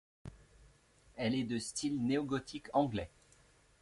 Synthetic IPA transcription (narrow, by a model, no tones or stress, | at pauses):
ɛlɛd̪əst̪ʰilneɔɡɔt̪ʰikɑ̃ɡlɛ